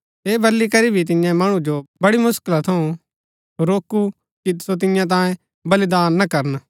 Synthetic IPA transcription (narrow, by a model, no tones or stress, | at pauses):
eːbɐlːikɐɾibʱit̪̬ɪ̃jãmɐɽ̃ũd͡ʒobɐɽimʊskɪlat̪ʰɐũ | ɾoːku | kisot̪̬ɪjãt̪̬ãːjẽ | bɐlid̪aːnːɐkɐɾən